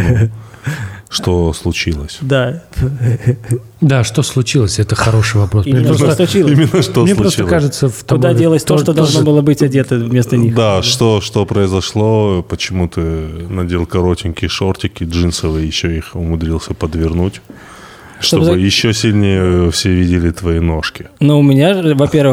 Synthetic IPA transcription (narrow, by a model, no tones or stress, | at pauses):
n | ʂt̪oslˠʊt͡ɕilˠəsʲd̪a | d̪aʂt̪oslˠʊt͡ɕilˠəsʲɛt̪əxɐɾoʂɨjvɐpɾosimʲeɪnosəslˠʊt͡ɕilˠimʲɪnːəʂt̪onʲelpˠʊɾost͡ɕt̪lˠkaʐɨt̪səft̪ɐʊmd̪adʲelˠəsʲt̪oʂt̪od̪ɐlˠʐnobɨlˠəbɨtʲɐdʲet̪əvmʲest̪ənʲixd̪aʂt̪o̞ʂt̪opɾəɪzɐʂlˠopət͡ɕɪmut̪ɨnɐdʲelˠkɐɾo̞tʲɪnʲkʲɪʂortʲɪkʲɪʐɨnsəvɨjjɪɕːoixʊmʊd̪ɾʲilˠsʲəpəd̪vʲɪrnutʲ | ʂt̪oozɨjɪɕːosʲɪlʲnʲejəfsʲevʲidʲɪlʲɪt̪vɐino̞ʂkʲɪnuʊmʲɪnʲaɨvɐpʲe̞rvɨ